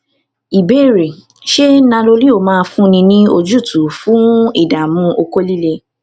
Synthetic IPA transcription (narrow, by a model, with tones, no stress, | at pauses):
i˨be˦˨ɾe˨ | ʃe˦nã˧lo˧li˦o˦˨mãː˦˧fũ˦nĩ˧nĩ˦o˧d͡ʒu˦˨tʰu˨fũ˦i˦˨da˨mũ˧˦ʔo˧ko˦li˦le˧